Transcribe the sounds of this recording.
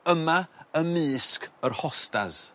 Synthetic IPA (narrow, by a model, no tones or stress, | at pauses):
əmaəmɨːskərhɔsta̰z